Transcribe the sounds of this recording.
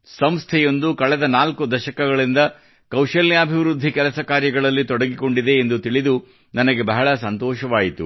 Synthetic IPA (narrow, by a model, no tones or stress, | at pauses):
sɐmst̪ʰɛjo̞nd̪ukɐɭɛd̪ɐnaːlkud̪ɐʃɐkɐɡɐɭind̪ɐ | kɐwʃɐljaːbʱiʋɾud̪ʱːikɛlɐsɐkaːɾjɐɡɐɭɐlːit̪ɔɽɐɡiko̞ɳɖid̪e̞ːnd̪ut̪iɭid̪u | nɐnɐɡe̞bɐɦɐɭɐsɐnt̪ɔːʃɐʋaːjit̪u